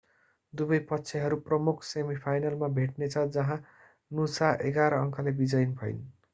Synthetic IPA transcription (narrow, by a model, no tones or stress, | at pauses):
d̪ubʌjpʌtːsʰeɦʌɾuprʌmukʰsemipʰajnalmabʱeʈ̚net͡sʰʌd͡zʌɦã | nusaʔeɡaɾʌʌŋkʰʌlebid͡zʌjnbʱʌj̰n